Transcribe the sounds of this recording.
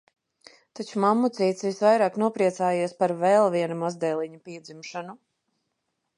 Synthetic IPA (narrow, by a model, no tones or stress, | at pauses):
t̪at͡ʃumamːut̪sʲijt̪sisvajɾaːknuɔpɾiɛt̪saːjiɛspaɾvɛlˠviɛnumazd̪ɛlˠiɲapiɛd̪zimʃanu